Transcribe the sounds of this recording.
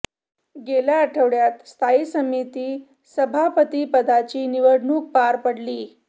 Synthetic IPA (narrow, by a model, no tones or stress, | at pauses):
ɡelaəʈʰəʋɽjat̪st̪ʰaisəmit̪iː | səbʱapət̪iːpəd̪ʱat͡ɕiːniʋəɽʱɳuːk̚paɾpəɽliː